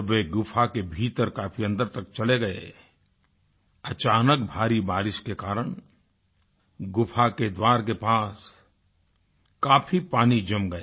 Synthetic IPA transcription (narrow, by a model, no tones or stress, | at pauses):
ʋeɡʊpʰakebʱiːt̪əɾkaːpʰiɐ̃nd̪əɾt̪ɐkt͡ʃɐleɡɐḛ | ɐt͡ʃaːnəkbʱaːɾibaːɾɪʃkekaːɾəɽ̃ | ɡʊpʰaked̪waːɾkepaːs | kaːpʰipaːnid͡ʒɐmɡɐeː